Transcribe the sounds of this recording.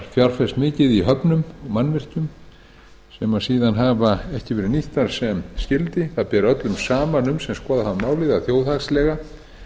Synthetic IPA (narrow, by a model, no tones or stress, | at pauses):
ɾfjaɾ̥fɛst̪mɪːcɪðiɦœpnʏmɔɣmanːvɪr̥c̪ʏm | sɛmasiːðanɦavaɛhcɪvɛːɾɪniht̪aɾ̥sɛmscɪlt̪ɪθaðpɛːɾœt̪lʏmsaːmanʏmsɛmskɔːðahavmaːwlɪðaθjoːwðaxslɛɣa